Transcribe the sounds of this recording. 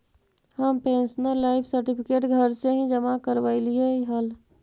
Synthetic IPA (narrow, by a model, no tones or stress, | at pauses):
həmpẽnsənəɾlaɪpʰsəɾʈipʰikeʈɡʱəɾseɦĩd͡ʒəmakəɾʋaɪlieiɦəl